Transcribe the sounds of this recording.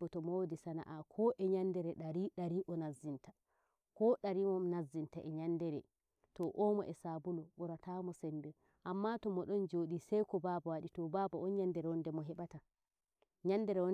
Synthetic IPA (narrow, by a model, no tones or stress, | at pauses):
ɔtɔmɔwodisana̰ʔakʰɔʔɛɲandɛɾɛɗaɾiɗaɾiʔɔnazːintḁ | kɔɗaɾimɔmnazːintaʔɛɲandɛɾɛ̰ | tɔʔɔmɔ̰ʔɛsabulɔɓɔɾatamɔsɛndɛ | ʔamːatɔmɔɗɔnd͡ʒoɗisɛjkɔbabawaɗitɔbabɔɔnɲandɛɾɛwɔndɛmɔɦɛɓata | ɲandɛɾɛwɔ